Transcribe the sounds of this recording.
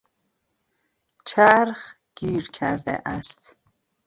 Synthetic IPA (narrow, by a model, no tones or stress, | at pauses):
t͡ʃʰæɾχ | ɡ̥iːɾkʰæɾd̪ɛ̰ʔæst̪